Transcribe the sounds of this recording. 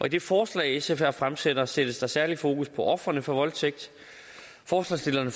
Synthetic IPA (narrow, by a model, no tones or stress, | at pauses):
ʔɒ̽id̥e̝fɒːslɛ̰ːɪesefæɐfʁamsed̥ɐsed̥əsd̥ɑ̈sæɐlifo̝ːkʰuspʰɒ̽ʔɒ̽fʁɐnəfɒʋɒ̽lt͡sʰeɡ̥̚d̥ | fɒːslɑsd̥e̝lɐnə